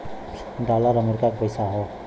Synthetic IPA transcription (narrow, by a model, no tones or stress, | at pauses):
ɖalaɾʌmuɾkakopʌjsaɦo